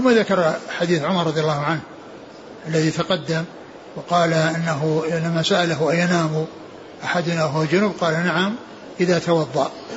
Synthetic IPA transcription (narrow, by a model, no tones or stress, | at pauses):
θʊmːaðakɑɾˤħad̪iːθʕʊmɑɾˤːɑðˤjalːɑːhʊʕanh | ʔalːaðit̪ɑqɑd̪ːam | wqɑːlaʔɪnːaɦʊɪnːamasaʔalaɦʊʔajanaːmu | ʔaħad̪ʊnawɦʊwad͡ʒʊnʊb̚qɑːlanaʕam | ʔɪðat̪ɑwɑðˤːɑ̰ʔ